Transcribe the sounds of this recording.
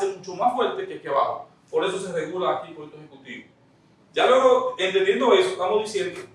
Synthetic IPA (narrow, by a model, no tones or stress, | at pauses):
semut͡ʃomasfweɾt̪ekehkeβa̰ho̰ | po̞ɾe̞s̬os̬ereɣulaːkipoet̪oehekut̪iβo | d͡ʒalweɣoent̪end̪je̞nd̪oesoe̥ht̪amozðisjend̪o